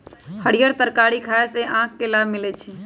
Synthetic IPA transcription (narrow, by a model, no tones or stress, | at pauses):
həɽijəɾt̪əɾkaɽikʰaeseʔãkʰkelabmilɛt͡ʃʰi